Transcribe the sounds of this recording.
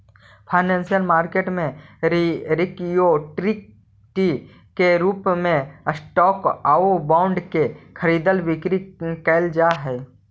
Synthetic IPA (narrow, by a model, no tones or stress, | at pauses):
pʰaːɪnɛ̃ːnsijəlmaːɾkeːʈmẽɾɾɪkijoʈɾɪk̚ | ʈi | keɾuːpmẽsʈɔːkaːobãːʊ̃ɳɖkekʰəɾiːd̪əlʋɪkɾikɛɪld͡ʒaɦɛː